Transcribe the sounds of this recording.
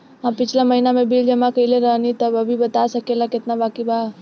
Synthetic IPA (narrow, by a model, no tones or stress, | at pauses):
ɦãpɪt͡ʃʰlamɐɦiːnamẽbiːld͡ʒɐmãkɐileɾɐnit̪ɐbɐbʱibɐt̪asɐkelakɪt̪nabaːkibaː